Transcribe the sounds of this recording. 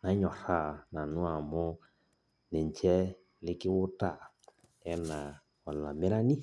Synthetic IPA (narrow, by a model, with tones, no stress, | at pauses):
na˨˦ɲɔ˨ɾa˦˨na˨nũ˦a˨mɔ˦ | nɛ˨n˨t͡ʃɛ˦ | lɪ˦kɪ˦wʊ˦ta˦˨ | ɛ˦na˨ | wa˨la˨mɛ˦ɾa˦ni˦